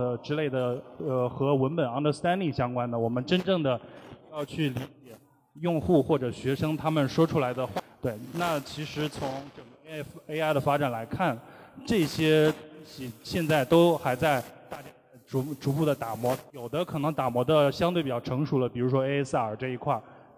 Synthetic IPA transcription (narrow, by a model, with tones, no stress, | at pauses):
ə˩ʈ͡ʂɻ̩˥le˥˩ɪd̪ə˩ə˧xɤ˧˥wə˧˥npə˨˩nɑ˥ŋd̪ə˧st̪a˥nli˥˩ŋɕjɑ˥ŋkwa˥nd̪ə˨˩wɔ˨˩mə˦nʈ͡ʂə˥nʈ͡ʂɤ˥˩ŋd̪ə˩˥jɑ˥˧ʊt͡ɕʰy˥˩li˧˥t͡ɕjɛ˨˩ | jʊ˥˧ŋxu˥˧xwɔ˥˩ʈ͡ʂɤ˨˩ɕɥɛ˧˥ʂɤ˥ŋt̪ʰa˥mə˨nʂwɔ˥ʈ͡ʂʰu˥la˧˥ɪd̪ə˧xwa˥˩t̪we˥˩ɪna˥˩t͡ɕʰi˧˥ʂɻ̩˧˥t͡sʰʊ˧˥ŋʈ͡ʂə˨˩ŋɡə˧˥e˥ɪa˥˩ɪd̪ə˩fa˥ʈ͡ʂa˨˩nla˧˥ɪkʰa˥˩nʈ͡ʂɤ˥˩ɕjɛ˥t̪ŋɕi˨˥˩ɕjɛ˥˧nt͡sa˥˩ɪt̪o˥ʊxa˧˥ɪt͡sa˥˧ɪt̪a˥˩t͡ɕja˥˩˧ʈ͡ʂu˧˥ʈ͡ʂu˧˥pu˥˩d̪ə˩t̪a˨˩mwɔ˧˥jo˨˩ʊd̪ə˦kʰɤ˨˩nɤ˧˥ŋt̪a˨˩mwɔ˧˥d̪ə˧ɕjɑ˥ŋt̪we˥˩pi˨˩jɑ˥˩ʊɤ˧˥ŋʂu˧˥lə˧pi˨˩ɻu˧˥ʂ̬wɔ˥e˥s̩˥ə˞˨˩ʈ͡ʂɤ˥˩i˧˥kʰwa˥˩ɪ